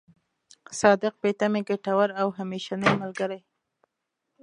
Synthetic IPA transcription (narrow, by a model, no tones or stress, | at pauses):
sɑd̪ɪq̚pet̪ameɡaʈawaɾawɦameʃanəjmalɡaɾaj